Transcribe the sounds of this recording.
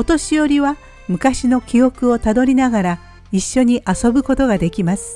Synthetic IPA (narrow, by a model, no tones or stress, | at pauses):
ot̪o̞ɕijo̞ɾʲiβa | mɯ̟kaɕino̞kʲio̞kɯ̟o̞t̪ad̪o̞ɾʲinaɡaɾa | iɕːo̞ɲ̟iʔaso̞bɯ̟ko̞t̪o̞ɡad̪e̞kʲimasɨ̥